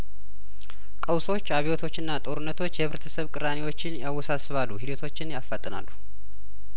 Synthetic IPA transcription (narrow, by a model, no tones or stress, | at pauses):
kʼəwso̞t͡ʃːaβiwot̪ʰo̞t͡ʃːɨnːat̪ʼo̞ɾunːət̪ʰo̞t͡ʃːjɛβɨɾət̪ʰəsəβkʼɨɾanewo̞t͡ʃːɪnjawːɔsasɨβalːuɦid̪ət̪ʰo̞t͡ʃːɪnjafət̪ʼːɨna̰lːu